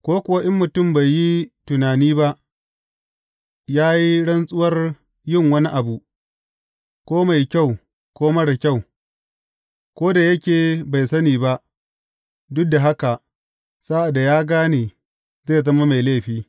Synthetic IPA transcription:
kʷoː˦kʷʊ˨wa˦ʔɪ˦mːʊ˨tʊ˦˨mba˨jji˦tʊ˨naː˨niː˦ba˦ʔ | jaː˦ji˦ɽɐ˦nsʼʊ˦wɐ˦r | jɪ˦ŋwɐ˦ni˦ʔa˨bu˨ | kʷoː˦ma˨jkʲa˦˨w | kʷoː˦mɐ˦ɽa˨kʲa˦˨w | kʷoː˦da˨jɐ˦kʲeː˨ba˨jsɐ˦niː˨ba˦ʔ | dʊ˦k̚da˨ɦa˦ka˨ʔ | sa˦ʔa˨da˨jaː˦ɡaː˦neː˨ | zeː˦˨zɐ˦ma˦ma˨jleː˦ɸiː˦

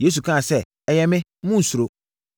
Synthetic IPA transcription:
je˦s̬u˨kʰã˦˨sɛ˦ | ɛ˨jɛ˦mɪ̃˦mũ˦n̩˨su˨ɾo˨

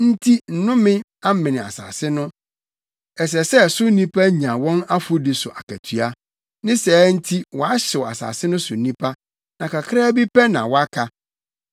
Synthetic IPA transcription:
n̩˦tʰi˦n̩˨nʊ̃˦mɪ̃˦ | ã˦m̩˦mɪ̃˨nɪ̃˨a̰˨sa̰ː˨sɪ˦nʊ̃˦ | ɛ˨s̬ɛ˨sɛ˦sʊ˦nĩ˦pʰa˦ɲã˨wɔ̃˦na˦fʊ˦dɪ˨sʊ˨ʔa˨kʰæ˨tʰɥa˦ | nɪ̃˦sɛː˨˦n̩˦tʰi˦wɔ˨a˦ɕɪ˨wa̰˨sa̰ː˨sɪ˦nʊ̃˦sʊ˨˦nĩ˦pʰa˦ | nã˨ka˨kʰɾa˦bi˦pʰɛ˦nã̰˨wɔ˦a˦kʰa˦

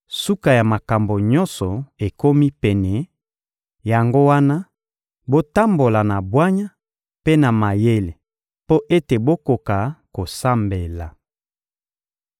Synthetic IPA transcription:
su˦ka˨ja˨ma˨ka˨mbo˨ɲɔ˦nsɔ˨e˨ko˦mi˦pɛ˨nɛ˨ | ja˨ŋɡo˦wa˦na˦ | bo˦ta˦mbo˨la˨na˨bwa˦ɲa˦ | pe˦na˨ma˨je˦le˨ | po˦ʔe˦te˨bo˦ko˨ka˨ko˨sa˦mbe˨la˨

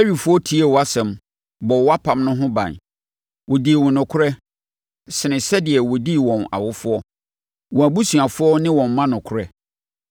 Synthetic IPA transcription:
ɛ˦ɥi˨fʊ˦ɔ˦tʰi˦e˨wɔ˨a˦sɛ̃˨m | bɔ˨wɔ˦a˦pʰã˨mnʊ̃˦ɦʊ̃˦bã̰˨n | wɔ˨di˨wɔ̃˨nʊ̃˨kʰʊ˦ɾɛ˦ | sɪ˨nɪ̃˨sɛ˦dɪ˨ɛ˨wɔ˨di˦wɔ̃˨na̰˨wʊ˦fʊ˦ɔ˦ | wɔ̃˨æ˨bu˦su˨a˨fʊ˦ɔ˦nɪ̃˦wɔ̃˨m˨mːã˦nʊ̃˨kʰʊ˦ɾɛ˦

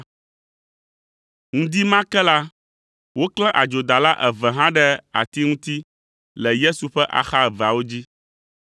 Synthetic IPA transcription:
ŋũ˦d̪i˦mã˦kɛ˦la˦ | wo˦klɛ̃˦ʔa˨d͡ʒo˨d̪a˨la˦ʔɛ˨vɛ˨ɦã˦ɖɛ˦a̰˨t̪i˦ŋũ˦t̪i˦ | lɛ˨je˦su˨ɸɛ˦ʔa̰˨xa˦ɛ˨va˨wo˦d͡ʑi˦

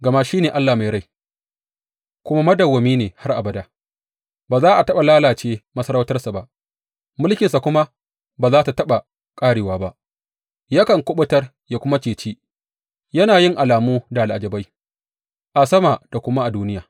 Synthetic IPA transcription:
ɡɐ˨ma˦ʃiː˦neː˨ʔa˦lːaː˨ma˨jɾa˦j | kʷʊ˦ma˦mɐ˦dɐ˨wːɐ˨miː˦neː˨ha˦rʔa˨bɐ˨da˦ | baː˨zaː˦ʔa˨tɐ˦ɓa˨laː˦laː˨t͡ʃeː˦mɐ˦sɐ˦ɾa˦wtɐ˦rsa˨ba˦ʔ | mʊ˦lkʲɪ˨nsa˨kʷʊ˦ma˦ | baː˨zaː˦ta˨tɐ˦ɓa˨ | kʼaː˦ɽeː˨waː˨˦ba˦ʔ | ja˦kɐ˨ŋkʷʊ˦ɓʊ˦tɐ˦r | jaː˨kʷʊ˦ma˦t͡ʃeː˨t͡ʃiː˦ | jɐ˦naː˨jɪ˦ŋʔa˨laː˨muː˦da˨ʔa˨lʔa˨d͡ʒɐ˨ba˦j | ʔa˨sɐ˦maː˨d̥a˨kʷʊ˦ma˦ʔa˨duː˦nɪ˦jaː˨

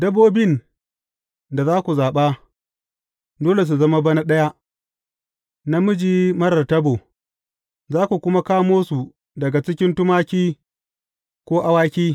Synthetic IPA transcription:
dɐ˦boː˦bɪ˦˨n | da˨zaː˦kʷu˨zaː˨ɓa˦ | doː˦le˨s̬u˨zɐ˦ma˦bɐ˦na˦ɗɐ˦ja˦ʔ | na˦mʊ˦d͡ʒiː˦mɐ˦ɾɐ˨rtɐ˦boː˨ | zaː˦kʷu˨kʷʊ˦ma˦kaː˦moː˦su˨ | dɐ˨ɡa˨t͡ʃɪ˦kʲɪ˦ntʊ˦maː˦kʲiː˦ | kʷoː˦ʔa˦waː˦kʲiː˦

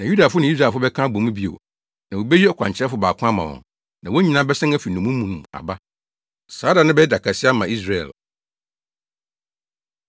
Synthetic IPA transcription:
nã˨ju˦da˨fʊ˦nɪ̃˨˦i˦s̬ɾa˨fʊ˦bɛ˦kʰã˦bõ˨mũ˦bi˦o̰˨ | nã˨wo˨be˦ji˦ɔ˦kʰã̰˨ɲt͡ɕʰɛ˦fʊ˨baː˨kʰʊ̃˦a˦mã̰˨wɔ̰̃˨n | nã˨wo˦ɲĩ˨nãː˦bɛ˦sɪ̃˦ŋæ˦fi˨nũ˨mũ˦mũ˨nũ˨a̰˨ba˦ | saː˨˦da˨nʊ̃˦bɛ˦da˨kʰa˨sɪ˦a˦mã˨i˦s̬ɾa˨ɛ̰˨l

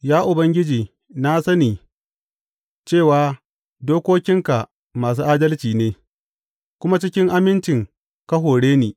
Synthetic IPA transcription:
jaː˦ʔʊ˨bɐ˦ŋɡʲɪ˦d͡ʒiː˨ | na˦sɐ˦niː˨ | t͡ʃeː˦˨waː˨˦ | doː˦kʷoː˦kʲɪ˦ŋka˨ʔ | maː˨s̬uː˦ʔaː˦dɐ˦lt͡ʃiː˨neː˦ | kʷʊ˦ma˦t͡ʃɪ˦kʲɪ˦ŋʔa˦mɪ˦nt͡ʃɪ˨ŋ | kɐ˦ɦoː˨ɽeː˦niː˨

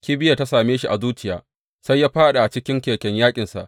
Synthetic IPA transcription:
kʲiː˦bɪ˦ja˨ta˦saː˨meː˦ʃi˦ʔa˨zuː˦t͡ʃɪ˦jaː˦ | sa˦jːaː˦ɸaː˦ɗa˨ʔa˨t͡ʃɪ˦kʲɪ˦ŋkʲeː˨kʲɛ˨ɲjaː˦kʲʼɪ˨nsa̰˨ʔ

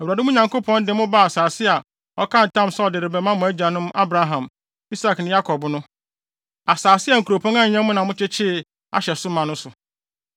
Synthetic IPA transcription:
æ˨wɾa˨dɪ˦mũ˦ɲã˨ŋko˦pʰɔ̃˦ndɪ̃˨mʊ̃˦ba˦˨a˨saː˨sɪ˦a˨ | ɔ˦kʰã˦n̩˨tʰã˦msɛ˦ɔ˨dɪ˨ɾɪ˨bɛ˨mã˦mʊ̃˨æ˦d͡ʑa˨nʊ̃˦ma˦bɾa˦ɦã˨m | i˦sa˨knɪ̃˨ja˦kʰɔ˨bnʊ̃˦ | a˨saː˨sɪ˦a˨ŋ̩˨ku˨ɾo˨pʰɔ̃˦ŋã˦ɲ̩˨ɲã˦mʊ̃˦nã˨mʊ̃˦t͡ɕʰɪ˦t͡ɕʰɪ˦˨ | a̰˨ɕɛ˨sʊ˦mã˨nʊ̃˦sʊ˨

